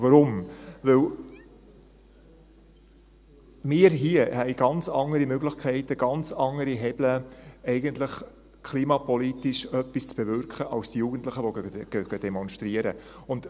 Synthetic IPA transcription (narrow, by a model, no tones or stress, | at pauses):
vɑɾʊmvɪl | mɪːɾɦiəhɛɪɡɑnt͡sɑŋəɾimøɡlɪχkʰɛɪtəɡ̥ɑnt͡sɑŋːəɾiɦɛb̥ləɛɪɡəntləχ | kʰliːmɑpɔlitiʃœpːist͡sb̥ɛvʏrkχəʔɑlstijuɡ̥ən̩tləχəʋoɡ̥ɛɡ̥əd̥ɛmɔnʃtɾiəɾəʊnd̥